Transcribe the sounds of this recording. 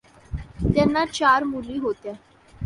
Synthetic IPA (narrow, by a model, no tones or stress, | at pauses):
t̪ɛnːat͡ɕaːɾmuliːɦot̪jaː